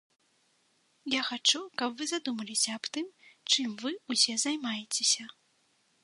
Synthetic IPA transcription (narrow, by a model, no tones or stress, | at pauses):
jaxat͡ʂukɐpvɨzad̪umɐlʲisʲɐːbt̪ɨmt͡ʂɨmvɨusʲɛzajmajet͡sʲesʲɐ